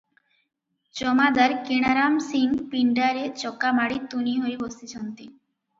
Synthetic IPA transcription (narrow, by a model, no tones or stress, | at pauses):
t͡ɕɔmad̪aɾkeɽ̃aɾamsinpiɳɖaɾet͡ɕɔkːamaɽit̪uniɦoɾibost̪it͡ɕʰɔnt̪i